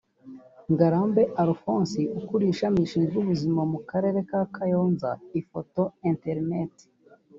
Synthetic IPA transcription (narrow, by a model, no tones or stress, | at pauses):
ŋɡaɾaːmbe̞ʔaɾfoːnsiukuɾiːʃamiʃiːnzuβuzimamukaɾe̞ːɾe̞kakʰajoːnza̰ifoto̞enteɾneti̥